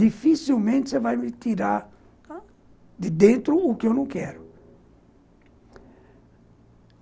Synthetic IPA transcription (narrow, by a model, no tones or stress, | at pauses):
d̪ifisilmẽnt̪ɪsevajmɪt̪iɾaɾ | d̪ɪd̪ẽnt̪ɾʊːkɪewnɐ̃w̃kɛɾʊ